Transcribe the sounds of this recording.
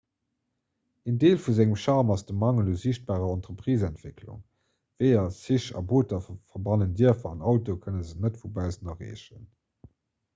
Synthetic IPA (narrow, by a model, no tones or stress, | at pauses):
ændeːlfuzæŋəmʃɑːʁmɑsd̥əmɑŋəloziɕt̚b̥aːʁɐɑntʁəpʁiːzæntv̥ekʰlṵŋ | vɜɪɐsiɕɑ̰boːtɐfɐbɑnəndiɐfɑnɑʊtokʰənəzənətfubæʊzənɐʁḛːɕə̰n